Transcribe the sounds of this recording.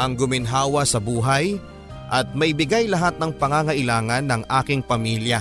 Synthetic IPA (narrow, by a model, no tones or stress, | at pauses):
ʔɐŋɡʊmɪnɦaːwɐsɐbuːɦɐj | ʔɐt̪̚mɐjbɪɡajlɐɦat̪̚nɐŋpɐŋaŋɐʔɪlaːŋɐnːɐŋʔaːkɪŋpɐmiljɐ